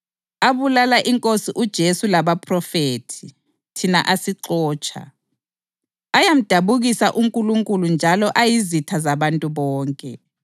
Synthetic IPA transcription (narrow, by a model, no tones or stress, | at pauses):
aβulalaʔiŋkʼosiʔud̥ʒ̥ʱesulaβapʰrɔfetʰi | tʰina̰ʔasiǁɔːt͡ʃʰʼa̰ | ajam̩d̥ʱaβuɣisaʔuŋkʼuluŋkʼulund͡ʒʱalɔʔajizitʰazaβantʼuβɔːŋkʼɛ